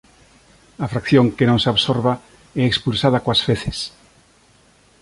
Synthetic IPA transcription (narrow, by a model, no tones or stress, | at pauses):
afɾakθjõŋkenõŋseaβsoɾβa | ɛekspulsaðakoasfeθes